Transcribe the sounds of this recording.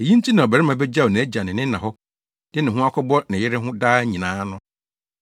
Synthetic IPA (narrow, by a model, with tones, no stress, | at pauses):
e˨jĩ˦n̩˦tʰi˦nã˨ɔ˨bɛ˨ɾɪ˦mã˦bɛ˦d͡ʑa˦˨o˨nɪ̃˨æ˦d͡ʑa˨nɪ̃˨nɪ̃˦nã˨ɦɔ˦ | d̥ɪ˦nɪ̃˨ɦʊ̃˦a˦kʰɔ˦bɔ˦nɪ̃˨jɪ˦ɾɪ˦ɦʊ̃˦daː˦ɲĩ˨nãː˨˦nʊ̃˦